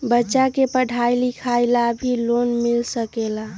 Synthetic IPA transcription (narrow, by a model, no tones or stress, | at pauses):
bətːʃakepəɽʱajlikʰajlabʱilonmilsəkela